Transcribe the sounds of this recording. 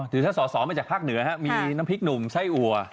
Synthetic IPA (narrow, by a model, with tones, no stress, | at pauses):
t̪ʰɯː˨˦t̪ʰaː˥˩sɔː˨˩˦sɔː˩˦maː˧t͡ɕaː˨˩k̚pʰaː˥˩k̚nɯ˨˩˦ɐhɛ˦˥ʔmiː˧na˦˥mpʰi˦˥k̚nu˨˩msa˥˩jʔu˨˩ɐ